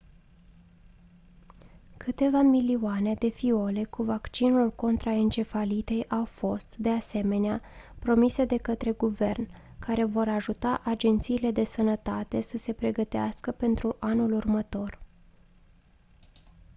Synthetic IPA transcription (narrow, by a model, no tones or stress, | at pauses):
kʰɨt̪e̞vamilioane̞d̪e̞fio̞le̞kuvakt͡ʃinulko̞nt̪ɾaent͡ʃe̞falit̪e̞jʔawfo̞st̪d̪e̞ase̞me̞neapɾo̞mise̞d̪e̞kət̪ɾe̞ɡuve̞rn | kaɾe̞vo̞ɾaʒut̪aʔad͡ʒe̞nt̪siːle̞d̪e̞sənət̪at̪e̞səse̞pɾe̞ɡət̪ea̰skəpe̞nt̪ɾuʔanulurmət̪o̞r